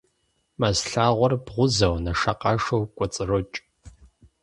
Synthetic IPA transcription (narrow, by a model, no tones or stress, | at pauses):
mɐzɬaːʁʷɔrbʁʷʊzɐwnɐʂɐqɑʂowkʷʼɔt͡sʼɨrɨt͡ʃʼ